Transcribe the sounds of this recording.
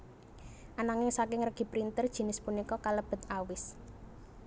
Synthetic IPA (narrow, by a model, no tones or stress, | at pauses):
ʔanaŋɪŋsakɪŋrəɡ̥i̤pɾint̪ərd̥ʒ̥i̤nɪspunikɔkaləb̥ə̤t̪awɪs